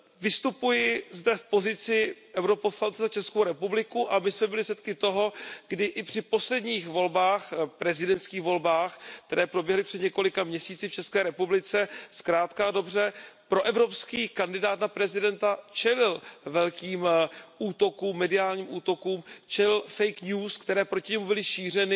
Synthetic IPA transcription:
vɪst̪upujɪzdɛfpo̞zɪt͡sɪʔɛwɾo̞poslant͡sɛzat͡ʃɛskowɾɛpublɪkuʔamɪsmɛbɪlɪsɛt̪kɪt̪o̞ɦo̞ɡdɪʔɪpr̥ɪpo̞slɛd̪ɲiːxvo̞lbaːxpɾɛzɪdɛnt̪skiːɣvo̞lbaːxkkt̪ɛɾɛːpɾo̞bjɛɦlɪpr̥ɛdɲɛko̞lɪkamɲɛsiːt͡sɪft͡ʃɛskɛːɾɛpublɪt͡sɛskɾaːt̪kado̞br̝ɛpɾo̞ʔɛvɾo̞pskiːkandɪdaːt̪napɾɛzɪdɛnt̪at͡ʃɛlɪlvɛlkiːmʔuːt̪o̞kuːmːɛdɪaːlɲiːmʔuːt̪o̞kuːmt͡ʃɛlɪlfɛjkɲuːskt̪ɛɾɛːpɾo̞cɪɲɛmubɪlɪʃiːr̝ɛnɪ

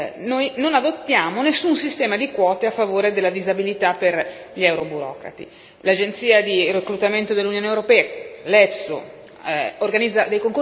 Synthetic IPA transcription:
nojnonad̪ot̪ːjaːmonesːunsist̪ɛːmad̪ikwɔːt̪eafːavoːɾed̪elːad̪izabilit̪apːer | ʎɛwɾobuɾɔ̰ːkɾa̰t̪ḭ | lad͡ʒent̪siːad̪irekɾut̪ament̪od̪elːunjoːnewɾopɛːlɛfso̰ | orɡanid̪zːad̪ejkoŋk

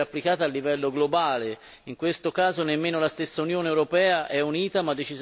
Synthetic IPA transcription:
apːlikaːt̪aːlːivɛlːoɡlobaːle | iŋkwest̪okaːzonemːeːnolast̪esːaunjoːneɛwɾopɛːaʔɛuniːt̪amad̪ːet͡ʃiz

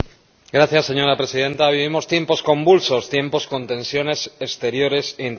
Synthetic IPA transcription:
ɡɾaθjasːe̞ɲo̞ɾapɾe̞sið̞e̞nt̪aβ̞iβimo̞st̪je̞mpo̞skõ̞mbulso̞st̪je̞mpo̞sko̞nt̪e̞nsjo̞ne̞sest̪e̞ɾjo̞ɾe̞seint̪

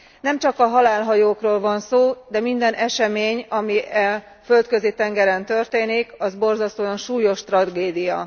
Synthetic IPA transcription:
nɛmt͡ʃɒkɒɦɒlaːlɦɒjoːkroːlvɒnsoːd̪ɛmind̪ɛnʔɛʃɛmeːɲɒmiʔɛ | fø̞lt̪kø̞zit̪ɛŋɡɛɾɛnt̪ørt̪eːnikɒzbo̞rzɒst̪oːjɒnʃuːjo̞ʃt̪rɒɡeːd̪ijɒ̰

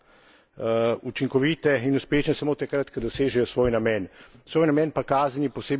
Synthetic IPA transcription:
ut͡ʃiŋkɔʋiːt̪ɛinuspeːʃnɛsamoːt̪akɾat̪kad̪ɔseːʒɛjɔsʋoːjnamɛːnsʋoːjnamɛːnpakaːznjipɔseːb

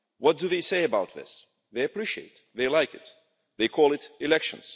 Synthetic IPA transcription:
wʌt̚d̥ɨðeɪseɪɨbaʊt̪̚ðɪ̰s | ðeɪɨpʰɹ̥iʃiḛɪt̪̚ðeɪlaɪkɨt̪̚ | ðeɪkʰɔlˠɨtɨlɛkʃə̰̃nz̥

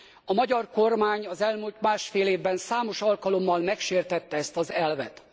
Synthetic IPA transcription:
ɒmɒɟɒrko̞rmaːɲɒzɛlmult̪maːʃfeːleːvbɛnsaːmo̞ʃɒlkɒlo̞mːɒlmɛkʃeːrt̪ɛt̪ːɛɛst̪ɒzɛlvɛ̰t̪

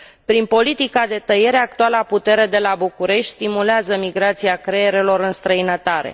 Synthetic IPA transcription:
pɾinpo̞lit̪ikad̪e̞t̪əje̞ɾe̞ak̚t̪ualəaput̪e̞ɾe̞d̪e̞labukuɾe̞ʃt̪ʲst̪imuleazəmiɡɾat̪siakɾe̞jeɾe̞lo̞ɾɨnst̪ɾəinət̪aɾe̞̰

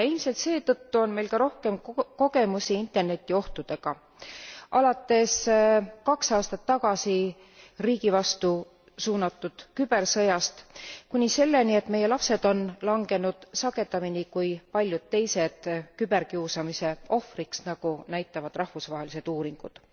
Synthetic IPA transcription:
ilmse̞lt̪se̞ːt̪ɤt̪ːuo̞nme̞jlkɑɾo̞hke̞mko̞ɡ̥e̞musiint̪ˑe̞rne̞t̪ʲːˑio̞ht̪ud̪̥e̞ɡ̥ɑ | ʔɑlɑt̪ːˑe̞skɑksɑːst̪ɑt̪ːɑɡ̥ɑsi | riːɡ̥ivɑst̪u | suːnɑt̪ːˑud̪̥kyb̥e̞rsɤ̞jɑst̪kunʲise̞lːe̞nie̞t̪ːme̞je̞lɑpse̞d̪̥o̞nlɑŋɡe̞nud̪̥sɑɡ̥e̞t̪ːˑɑminikujpɑlʲjud̪̥̚t̪e̞jse̞d̪̥kyb̥e̞rkiːsɑmise̞o̞friksnɑɡ̥unæjt̪ˑːɑvɑd̪̥rɑhvusvɑːɦe̞lise̞d̪̥uːɾiŋɡ̥ṵd̪̥

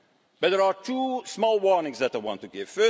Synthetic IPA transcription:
b̥ʌt̚ðəɹatʰuːsmɔːlˠwɔɹnɪ̃ŋzðɛtaɪwɑ̰̃ntːuɡɪv̥fɜ

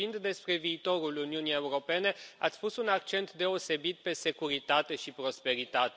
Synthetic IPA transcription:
ind̪d̪e̞spɾe̞viːt̪o̞ɾuluniunijeuɾo̞pe̞ne̞at̪sʲpusunakt͡ʃe̞nt̪d̪e̞o̞se̞bit̪̚pe̞se̞kuɾit̪at̪e̞ʃipɾo̞spe̞ɾit̪at̪e

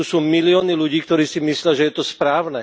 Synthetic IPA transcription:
usuːmiliɔːniluɟiːkt̪ɔɾiːsimislɪaʒɛjɛt̪ɔspɾaːʊnɛ

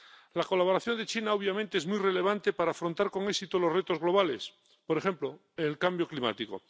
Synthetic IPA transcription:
lako̞laβ̞o̞ɾaθjond̪e̞t͡ʃinaoβ̞jamẽnt̪eezmujre̞le̞β̞ant̪e̞paɾaːfɾo̞nt̪aɾko̞ŋeksit̪olo̞zret̪o̞zɣlo̞β̞ale̞s | poɾe̞xe̞mplo | elkambjo̞klima̰t̪iko̰

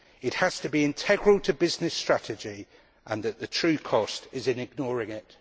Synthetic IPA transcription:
ɪthəz̥tʰəbiɪ̃ntʰɛɡɹəlˠtʰəbɪznɪstɹ̥atɪd͡ʒi | ʔə̃nðəʔðətʰɹ̥ʉːkʰɒstɪzɪ̃nɪɡ̚nɔːɹɪ̃ŋɪt

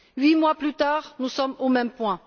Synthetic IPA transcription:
ɥimwaplyt̪aʁnusɔmomɛmpwɛ̃

